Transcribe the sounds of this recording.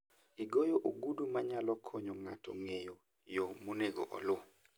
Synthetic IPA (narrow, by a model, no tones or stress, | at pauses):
iɡojoʔoɡudumaɲalɔkʰɔɲɔŋatʰɔ̰ŋejo | jomoneɡo̰ʔɔ̰lʊ